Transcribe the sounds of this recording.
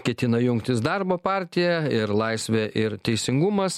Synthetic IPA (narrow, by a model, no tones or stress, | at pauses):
kʲɛt̪ʲɪnɐjʊŋkt̪ʲɪsd̪ɑɾboːpɑɾʲt̪ʲɪjæɪɾlˠɐɪsʲʋʲɛʔɪɾt̪ʲɛɪsʲɪŋɡʊmɐs